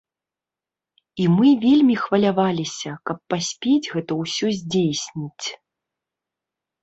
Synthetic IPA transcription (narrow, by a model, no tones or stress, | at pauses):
imɨvʲelʲmʲixvɐlʲavalʲisʲɐkɐpːasʲpʲed͡zʲɣɛt̪ɐwsʲɔzʲd͡zʲejsʲnʲit͡sʲ